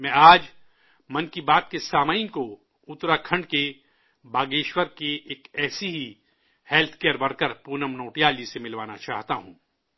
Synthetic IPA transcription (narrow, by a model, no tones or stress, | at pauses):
mɛ̃aːd͡ʒ | mɐ̃nkibaːt̪kesaːmaːɪnko | ʊt̪ɾakʰɐ̃ɳɖke | baːɡeːʃwəɾkeeːkɛːseɦi | hɛːlt̪ʰkeːəɾbɐɾkəɾpuːnəmnoːʈijaːlisemɪlʋaːnat͡ʃaːɦt̪aɦũː